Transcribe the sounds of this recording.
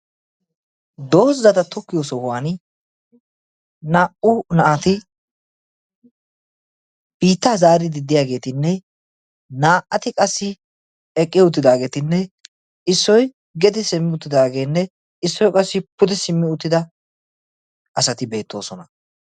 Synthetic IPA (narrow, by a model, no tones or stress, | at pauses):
d̪o̞ːsːɐt̪ɐt̪ɔkːɪjoːsɔhʊwaːn | naːʔʊnɐʔat̪ɪ | b̥iːt̪ːaːzaːɾɪd̪ɪd̪ːɪjaːɡe̞ːt̪ɪnːɛ | naːʔɐt̪ɪkʼɐsːɪ | ɛkʼːɪʊt̪̬ːɪd̪aːɡe̞ːt̪ɪnːɛ | ɪsːɔj | ɡɛd̪ɪsɪmːɪʊt̪ːɪd̪aːɡe̞ːnːɛ | ɪsːɔjkʼɐsːɪpʊd̪ɛsɪmːɪʊt̪ːɪd̪ɐ | ɐsɐt̪ɪbe̞ːt̪ːo̞̰ːsɔnɐ